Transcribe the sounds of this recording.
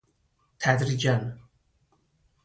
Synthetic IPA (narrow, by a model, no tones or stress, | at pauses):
t̪ʰæd̪ɾid͡ʒan